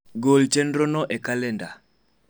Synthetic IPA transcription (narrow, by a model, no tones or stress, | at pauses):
ɡolt͡ʃendɾonɔʔekalɛnda